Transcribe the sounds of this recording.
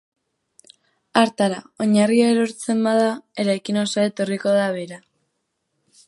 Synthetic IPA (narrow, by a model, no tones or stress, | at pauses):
aɾt̪aɾao̞ɲariaeɾo̞ɾt͡se̞mbaðae̞ɾajkino̞saet̪o̞riko̞ðaβ̞eɾa